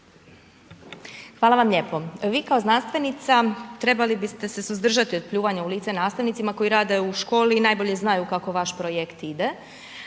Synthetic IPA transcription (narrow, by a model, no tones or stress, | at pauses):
xʋaːlaʋamʎepo̞ʋiːkaoznanst̪ʋe̞nit̪sat̪ɾe̞balibist̪e̞se̞suzd̪r̩ʒat̪io̞d̪̚pʎuːʋaɲauliːt̪se̞naːst̪aʋnit̪simako̞jiɾaːd̪e̞uʃko̞ːlinajbo̞ʎe̞znajukako̞ʋaʃpɾojekt̪id̪e